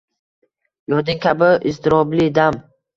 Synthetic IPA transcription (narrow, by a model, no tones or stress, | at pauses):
jɒd̪ɪŋkʲʰabɪist̪ɪɾɒblid̪am